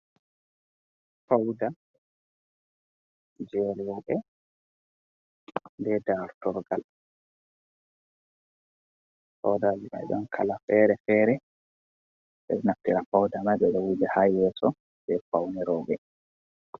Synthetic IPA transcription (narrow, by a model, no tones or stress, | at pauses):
fawda | d͡ʒɛlwɔɓɛ | ndɛdaɾtɔɾɡal | fa̰wdad͡ʒiɓa̰jɗɔnkʰalafɛɾɛfɛːɾɛ | ɓɛ̰ɗɛnaftːiɾafawdamaɓɛɗɛwud͡ʒɛhajɛsɔ | dɛfawnɛɾɔːbɛ